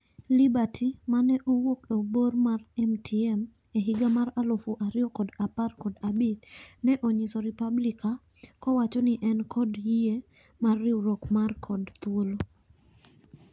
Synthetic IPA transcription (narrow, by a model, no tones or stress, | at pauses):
libatʰimanɛʔowokebormarɛmtʰiɛm | eɦɪɡamaralofuʔaɾɪɔkɔdaparkɔdabit̪nɛʔoɲisɔɾipablika | kɔwat͡ʃɔniʔɛnkʰɔdjie | marːɪuɾokmarkʰɔdt̪wolo